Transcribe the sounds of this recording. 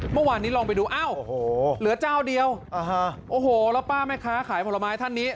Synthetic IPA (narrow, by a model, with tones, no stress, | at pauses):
mɯ˥˩waː˧nːiː˦˥lɔː˧ŋp̬a˧jduː˧ʔa˧˥˩whoː˧˩lɯ˩˦ɐt͡ɕaː˥˩wdi˧əwa˧˩ɦa˧ʔoː˧˩hoː˨˩lɛː˦˥wpaː˥˩ma˥˩jkʰaː˦˥kʰaː˩˦jpʰɔ˧la˧maː˧˥jt̪ʰa˥˩nːiː˦˥